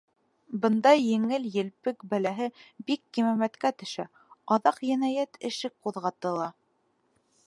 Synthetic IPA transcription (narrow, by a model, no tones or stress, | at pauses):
bɤ̆nd̪ɑjːɘ̆ŋɘljɘ̆lpɘkbælæɦɘbikːimæmæt̪kæt̪ɵ̆ʃæ | ɑðɑqjæ̆næjæt̪ɘ̆ʃɘk̚quðʁɑt̪ɤ̆lˠɑ